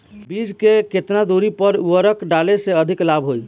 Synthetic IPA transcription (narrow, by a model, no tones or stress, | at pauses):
bid͡ʒkeket̪nad̪ʱuɾipəɾuəɾəkɖaleseəd̪ʱiklabʱɦoj